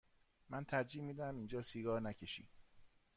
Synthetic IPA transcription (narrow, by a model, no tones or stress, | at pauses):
mænt̪ʰæɾd͡ʒiːmiːd̪æmind͡ʒɒːsiːɡɒːɾnæcʰeʃḭː